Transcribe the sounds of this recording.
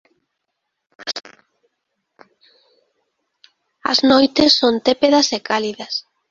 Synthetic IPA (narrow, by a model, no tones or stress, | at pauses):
ɐ̰znojt̪esːont̪epeðɐsekaliðɐs